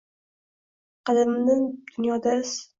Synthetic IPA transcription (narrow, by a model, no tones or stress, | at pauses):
qɑlɪmnɪŋd̪̥ʊnjɒd̪as